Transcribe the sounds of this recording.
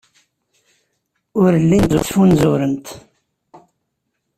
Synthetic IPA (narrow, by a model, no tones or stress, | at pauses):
ʊɾəlːinzʊ̰sfunzʊɾənt̪